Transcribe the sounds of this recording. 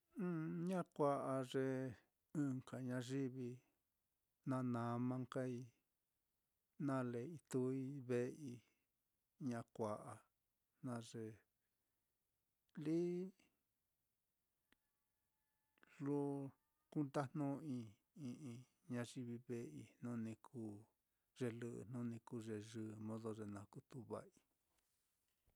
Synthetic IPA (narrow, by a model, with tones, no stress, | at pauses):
ũ˦ɲã˦kʷa˧ʔa˧ʐe˧ | ɨ̃˧ŋka˨ɲã˧ʐi˦βi˧ | nã˧nã˨mã˧ŋka˦i˧ | nã˦le˨i˧t̪u˧i˦βe˧ʔi˧ | ɲã˧kʷa˨ʔa˨ | nã˧ʐe˧ | li˦ | lo˦ | ku˦nt̪a˦n̥nũ˦ĩ˧ | ĩ˧ʔĩ˧ | ɲã˧ʐi˧βi˧βe˧i˧nũ˦˧nĩ˧kʰu˧ | ʐ̥e˧lɨ˧ʔn̥ũ˦nĩ˧ku˧ʐe˧ʐɨ˧mõ˧ðo˧ʐe˧nã˧ku˧t̪u˧βa̰˧ʔi˧